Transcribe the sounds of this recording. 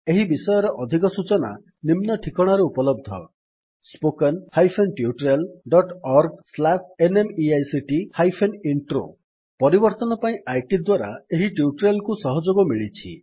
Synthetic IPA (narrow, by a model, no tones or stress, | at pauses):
eɦibisɔjɔɾɔʔɔd̪ʱik̬ɔsut͡ʃɔna̰ | nimnɔʈʰikɔɽ̃aɾeupɔlɔb̚d̪ʱɔ̰ | spokɔnhajpʰenʈiuʈɾelɖɔʈɔɾɡslasenemiajsiʈihajpʰeniɳʈɾo̰ | pɔɾibɔɾt̪ɔnɔpaĩʔajʈid̪waɾaeɦiʈiuʈɾelkusɔɦɔd͡ʒoɡɔmiɭit͡ʃʰi